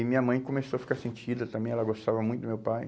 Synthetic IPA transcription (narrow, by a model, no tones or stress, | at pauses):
ɪmĩɲɐmɐ̃j̃komesowɐfi̥kaɾsẽnt͡ʃid̪ɐt̪ɐ̃mbẽj̃ɛlɐɡost̪avɐmũt̪ʊd̪ʊmewpaj